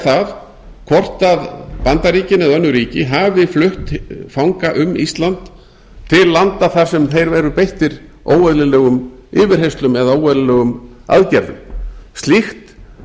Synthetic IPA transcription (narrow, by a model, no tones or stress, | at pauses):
θað | kʰɔr̥t̪aðpant̪aɾiːcɪnɛðœnːʏɾiːcɪɦavɪflʏht̪fawŋkaʔʏmist̪lant̪ | t̪ʰːɪlːant̪aθaɾ̥sɛmθejɾvɛɾʏpejht̪ɪɾ | ʔoːwɛðlɪlɛːɣʏmɪːvɪɾ̥hejst̪lʏmɛðaoːwɛðlɪlɛːɣʏma̰ðcɛɾðʏ̰mst̪lixt̪